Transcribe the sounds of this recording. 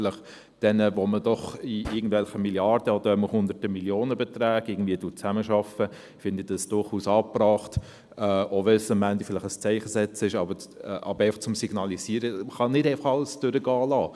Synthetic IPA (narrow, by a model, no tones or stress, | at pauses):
lɪχ | d̥ɛnəʋɔməd̥ɔχiɪɡ̚ən̩d̥vɛlχəmiljɑrd̥əɔd̥̪əɾɛməhʊnd̪ətəmiljoːnəbɛt̪ɾæːɡɪɡən̩dviːətʊt͡sæməʃɑfə | fɪnd̪əd̥ɑsd̥ʊrχuːsɑːprɑːχtː | oʋɛsəmːændifɪlɪχəst͡sɛɪχəsɛt͡sɪʃɑbəɛʔɑ̰bəɾɛɪfɑχt͡sʊmsiɡ̥nɑliziːɾəχɑnɪdɛɪfɑ̥χɑlːəsd̥ʏɾəɡɑːlɑː